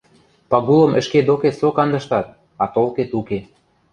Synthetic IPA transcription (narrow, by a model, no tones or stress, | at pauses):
pɑɣulə̆mʔə̆ʃked̪oket̪sokɑnd̪ɤ̆ʃt̪ɑt̪̚ | ɑt̪olket̪uke